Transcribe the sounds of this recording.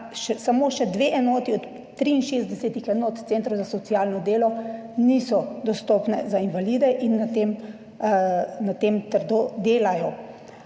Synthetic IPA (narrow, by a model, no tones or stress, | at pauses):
ʃɛsamoːʃɛd̪ʋeʔɛnɔːt̪iɔt̪ | t̪ːɾiːnʃeːzd̪ɛsɛːt̪ixɛnɔt̪t̪seːnt̪ɾɔwzasɔt̪sijaːlnɔd̪eːlɔnisɔd̪ɔst̪oːpnɛzainʋaliːd̪ɛʔinːat̪em | nat̪emt̪əɾd̪od̪eːlajɔ